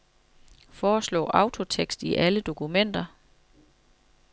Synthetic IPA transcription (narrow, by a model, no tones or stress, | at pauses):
fɒːslɔ̰̽ːʔɑ̈ʊt͡sʰo̝t͡sʰeɡ̥sd̥iʔæləd̥o̝kʰumen̰d̥ɐ